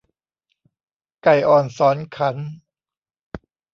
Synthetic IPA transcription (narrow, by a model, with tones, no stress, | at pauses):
ka˨˩jʔɔː˨˩nsɔː˨˩˦nkʰa˦˥n